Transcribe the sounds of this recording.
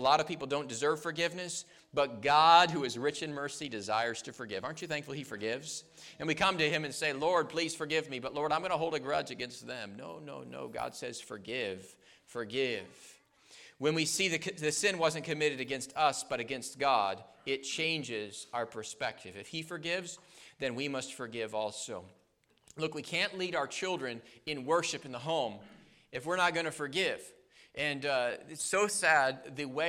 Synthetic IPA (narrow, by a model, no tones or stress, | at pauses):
əlɔɾʌv̥pipl̩ˠdõʊ̃nd̥ɨzɜ˞v̥fə˞ɡɪvnɨs | b̥ʌt̚ɡ̥ɑd̚ɦuɨzɹɪt͡ʃɨ̃nmɜ˞sidɨzaɪə˞z̥tʰɨfə˞ɡɪvɑɹnt͡ʃɨθæ̃ŋkfl̩ˠifə˞ɡɪvz̥ | ɨ̃nwikʰʌ̃mtɨɨ̃mɨ̃nseɪlɔɹd̚pʰl̥iz̥fə˞ɡɪvmibʌtˡlɔɹɾãɪ̃mɡʌnəɦoʊlˠdɨɡɹʌd͡ʒɨɡɛ̃nst̪̚ðɨ̃mno̰ʊno̰ʊno̰ʊɡɑ̰d̥sɛz̥fə˞ɡɪv̥ | fə˞ɡɪv̥ | wə̃nwisiðɨðɨsɪ̃nwʌzɨ̃nkʰɨmɪɾɨɾɨɡɛ̃nstʰʌsb̥ʌɾɨɡɛ̃nst̚ɡ̥ɑɾɪt̚t͡ʃʰẽɪ̃nd͡ʒɪzaʊə˞pʰə˞spɛk̚tʰɨvɨfhifə˞ɡɪvzðɨ̃nwimʌstfə˞ɡɪvɔlˠsoʊ | lʊkwikʰæ̃nʔliɾaʊə˞t͡ʃʰɪlˠdɹɨ̃nɨ̃nwɜ˞ʃɨpn̩ðəɦõʊ̃m | ɨfwɪɹnət̚ɡ̥ʌnɨfə˞ɡɪv̥ | ʔɨ̃nɪtsoʊsæd̪̚ðɨwe